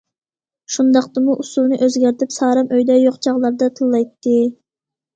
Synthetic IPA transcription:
ʃund̪ɑqt̪ɨmuʔusulˠnɨʔøzɡʲæɾt̪ɪpsɑːɾɑmøjd̪ɛjoqt͡ʃʰɑʁlˠɑɾd̪ɑt̪ʰɨlˠːɑjt̪ːɨ

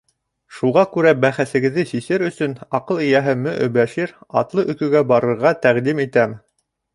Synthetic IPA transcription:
ʃuʁɑkʉɾæbæχæθɘ̆ɡɘ̆ðːɘsisɘɾɵ̆sɵnɑqɤlˠĭjæɦɘmɘʔɵ̰̆bæʃiɾɑ̰t̪lˠɤʔɵ̆kɵ̆ɡæbɑɾɤ̆ɾʁɑt̪æʁd̪imit̪æm

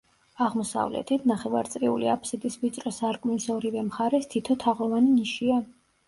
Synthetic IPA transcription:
aʁmɔsa̰vlɛ̰t̪ʰit̪ʰnaχɛva̰ɾt̪sʼɾiṵlḭa̰pʰsɛd̪isvit̪sʼɾɔsaɾkʼmisɔɾivɛmχaɾɛst̪ʰit̪ʰɔt̪ʰaʁɔvaniniʃia

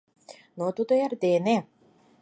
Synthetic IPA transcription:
not̪ud̪oærd̪ene

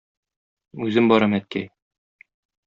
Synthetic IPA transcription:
ʉzɘmbɒɾɑmæt̪̚kæj

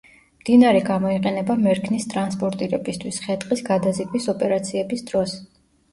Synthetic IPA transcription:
md̪̥inaɾɛɡamɔiqʼɛnɛbamɛɾkʰnist̪ʼɾanspʼɔɾt̪ʼiɾɛbist̪ʰwisχɛt̪ʼqʼisɡad̪azikʼwisɔpʼɛɾat̪sʰiɛbisd̪ɾɔs

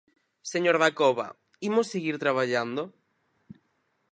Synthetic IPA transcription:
seɲoɾðakoβa̰ | imosːeɣiɾt̪ɾaβ̞aʎand̪o

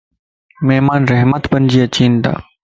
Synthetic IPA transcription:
meɦmaːnɾeɦmət̪bənd͡ʒiːɐt͡ɕiːnt̪a̰ː

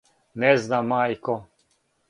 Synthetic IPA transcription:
nɛznamajkɔ

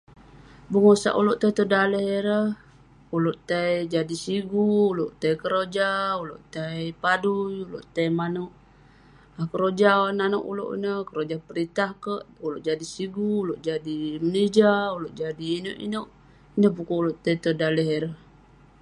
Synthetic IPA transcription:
bəŋosa̰ʔuloʔt̪ajt̪ədaləheɾəh | uloʔt̪aid͡ʒadisiɡuːloʔt̪ajkəɾod͡ʒauloʔt̪aipadujulo̰ʔt̪ajmanoʔ | akəɾod͡ʒanano̰ʔṵlo̰ʔḭnəhkəɾod͡ʒapəɾit̪ahkəʔuloʔd͡ʒadisiɡuːloʔd͡ʒadiməned͡ʒauloʔd͡ʒadiːnoʔḭnoʔ | inəhbukouloʔt̪ait̪ədaləɦeɾəh

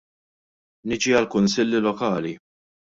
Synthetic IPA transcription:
nɪd͡ʒiɐlkʊnsɪlːilɔkɐːli

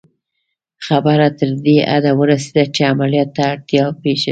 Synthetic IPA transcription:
xabaɾat̪əɾd̪eʔa̰d̪awəɾased̪at͡ʃeamalijɑt̪ːaːɽt̪jɑwpeʃa

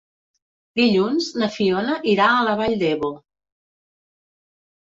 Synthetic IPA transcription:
d̪iʎunznəfionəʔiɾaːləβaʎd̪ɛβo

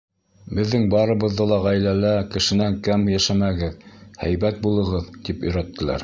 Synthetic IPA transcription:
bɘ̆ðːɘŋbɑɾɤ̆βɤ̆ðːɤlˠɑʁæjlælækɘ̆ʃɘ̆næŋkæmjæʃæmæɡɘðhæ̰jbæt̪̚bulˠɤ̆ʁɤðt̪ipɵ̆jɾæt̪ːɘ̆læ̰ɾ

